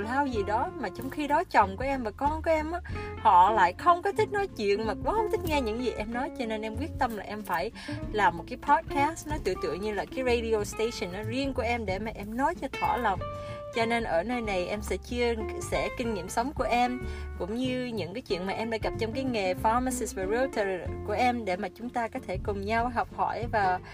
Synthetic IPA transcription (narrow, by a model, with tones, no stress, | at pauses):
laː˧wzi˨˩ɗɔ˨˦maː˨˩t͡ɕɔ˧wŋ͡mxi˧ɗɔ˨˦t͡ɕɔ˨˩wŋ͡mku˧˩əʔɛ˧mvaː˨˩kɔ˧nkɔ˨˦ʔɛ˧mʔaː˧˦hɔ̰˧˨la̰ː˧˨jxə˧wŋ͡mkɔ˨˦t̪ʰï˦˥k̟̚nɔ˨˦jt͡ɕwḭ˧˨ənmaː˨˩ku˨˦hə˧wŋ͡mt̪ʰï˦˥k̟̚ŋɛ˧ɲɨ̰˧˥ŋzi˨˩ʔɛ˧mnɔ˨˦jt͡ɕɔ˧ne˧nʔɛ˧mkwi˦˥ət̚t̪ə˧mlaː˨˩ʔɛ˧mfaː˧˩j | laː˨˩mːo˨˩kaː˨˦jpʰɔ˦˥t̚ka˦˥snɔ˨˦t̪ɨ̰˧˨t̪ɨ̰˧˨əŋɲɨ˧laː˨˩kaː˨˦jze˧jɗi˧o˧˩st̪e˧sə˨˩nʔa˨˦zi˧ənku˧˩əʔɛ˧mɗe˧˩maː˨˩ʔɛ˧mnɔ˨˦jt͡ɕɔ˧t̪ʰwa̰ː˧˩lə˨˩wŋ͡m | t͡ɕɔ˧ne˧nʔəː˧˩nəː˧jna˨˩jʔɛ˧msɛ̰˧˥t͡ɕɨ˧əsɛ̰˧˥kï˧ŋ̟ŋḭ˧˩˨əmsə˨˦wŋ͡mku˧˩əʔɛ˧mkʊ̰˧˥ŋ͡mɲɨ˧ɲɨ̰˧˥ŋkaː˨˦jt͡ɕwḭ˧˨ənmaː˨˩ʔɛ˧mɗa̰ː˧˥ɣə˨˩p̚t͡ɕɔ˧wŋ͡mkaː˨˦jŋe˨˩fa˧ma˧si˧svaː˨˩zi˧t̪ə˨˩ku˧˩əʔɛ˧mɗe˧˩maː˨˩t͡ɕʊ˨˦ŋ͡mt̪aː˧kɔ˨˦t̪ʰe˧˩kʊ˨˩ŋ͡mɲa˧wɦɔ˨˩wk͡p̚hɔ̰˧˩jvaː˨˩